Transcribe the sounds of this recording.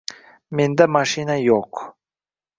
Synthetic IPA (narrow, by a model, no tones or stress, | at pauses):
mend̪amaʃinajoq